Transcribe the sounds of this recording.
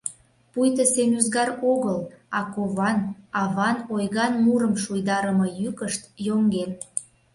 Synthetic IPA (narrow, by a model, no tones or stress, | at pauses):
pujt̪əsemyzɣɑɾoɣəlɑkoβɑnɑβɑnojɣɑnmuɾəmʃujd̪ɑɾəmɤjykəʃt̪joŋɡen